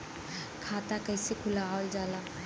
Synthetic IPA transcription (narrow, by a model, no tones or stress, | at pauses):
kʰaːt̪akəɪsekʰʊlaold͡ʒaːla